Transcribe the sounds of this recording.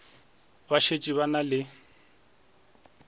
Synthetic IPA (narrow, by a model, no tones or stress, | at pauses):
baʃet͡ʃʼiβanalɪ